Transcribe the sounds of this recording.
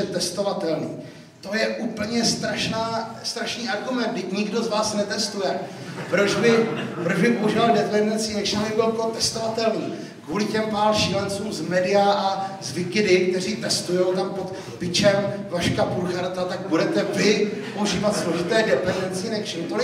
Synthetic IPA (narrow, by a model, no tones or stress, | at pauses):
ɛt̪ɛst̪o̞vat̪ɛlniː | t̪o̞jɛʔuːpl̩ɲɛst̪ɾaʃnaː | st̪ɾaʃniːʔaɾɡumɛnd̪̚ɡdɪcɲɪɡdo̞zvaːsnɛt̪ɛst̪ujɛ | pɾo̞d͡ʒbɪpɾoʒbɪpouʒɪvaldɛpɛmɪnat͡sinɛkʃɪnabɪbɪlpot̪ɛst̪ovat̪ɛlniː | kvuːlɪcɛmpaːɾʃɪlɛnt͡suːmzmɛdɪjaʔazvɪkɪdɪk̚t̪ɛr̝iːt̪ɛst̪ujo̞wt̪ampot̪ | pɪt͡ʃɛmvaʃkapulxaɾt̪at̪aɡ̚budɛt̪ɛvɪ | po̞uʒiːvat̪slo̞ʒɪt̪ɛːdɛpɛnɪnat͡sinɛkʃɪnt̪olɪ